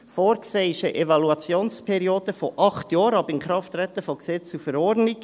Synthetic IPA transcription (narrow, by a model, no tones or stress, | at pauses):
foːɾkseɪʃəʔɛvɑluɑt͡sjoːnspʰɛɾioːd̥̪əfɔʔɑχt̪jɑːɾɑbɪnkɾɑft̪ɾɛt̪əfɔksɛt͡sufəɾɔɾdnɪɡ